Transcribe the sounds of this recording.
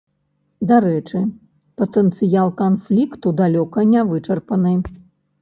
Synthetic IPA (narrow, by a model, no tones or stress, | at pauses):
d̪aɾɛt͡ʂɨ | pɐt̪ɛnt̪sɨjalˠkanflʲikt̪ud̪alʲɔkɐnʲavɨt͡ʂɐrpɐnɨ